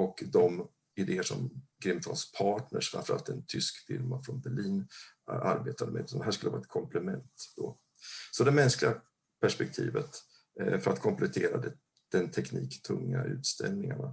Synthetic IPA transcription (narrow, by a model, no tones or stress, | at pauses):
ɔkd̪ɔm | ɪd̪eːəʂɔ̰mɡɾɪmfɔlspʰɑːʈɳə̰ʂfɾã̰nfœɾa̰lt̪ɛnt̪ʰʏskfɪɾmafɾɔnbɛɭiːn | a̰ɾbeːt̪ʰad̪əmḛd̪ɵand̪ɛɦæːʂkɵləvɑ̰ːɛt̪̚kʰɔmplɛmɛnt̪d̪̥o̰ | sɔd̪ɛmɛnsklɪa | pʰæʂpɛk̚t̪ʰḭːvət̪ | fœɾat̪kʰɔmplɛt̪ʰeːɾad̪ɛ | d̪̥ɛnt̪ʰɛkniːkt̪ʰɵŋːaʉ̟ːt̪st̪ɛ̰lnɪŋaɳa